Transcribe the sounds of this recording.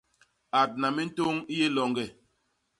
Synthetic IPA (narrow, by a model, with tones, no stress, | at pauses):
a˨t̚na˨mi˦n̩˦to˦ŋi˦je˦lɔ˨ŋɡɛ˨